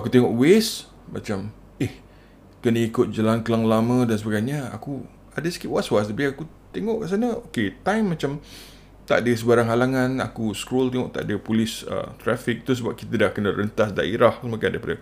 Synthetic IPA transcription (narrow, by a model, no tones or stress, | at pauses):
akut̪eŋɔʔwes | ma̰t͡ʃam | ɪh | kənəikʊt̪̚d͡ʒəlaŋkəlaŋlamə̃dansəbaɡajɲəa̰ku | adəsə̥kiwaʔswasəbiaaku | t̪eŋɔʔkaʔs̬anəoket̪ajmːat͡ʃam | t̪a̰ʔdəis̬əbaɾaŋɦalaŋãna̰kuskɾolt̪eŋɔʔt̪a̰ʔdəpulɪsə̰t̪ɾafɪk̚t̪us̬əbap̚kit̪ədahkənəɾənt̪asda̰ʔiɾahsəmakandaipadə